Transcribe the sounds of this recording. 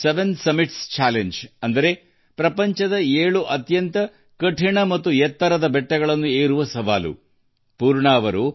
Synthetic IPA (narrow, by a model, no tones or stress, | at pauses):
seʋensɐmiʈst͡ʃaːleɲd͡ʒɐnd̪ɐɾe̞ | pɾɐpɐɲt͡ʃɐd̪ɐeːɭuʔɐt̪jɐnt̪ɐ | kɐʈʰiɳɐmɐt̪ːujɛt̪ːɐɾɐd̪ɐbɛʈːɐɡɐɭɐnːueːɾuʋɐsɐʋaːlṵ | puːɾɳaːʋɐɾu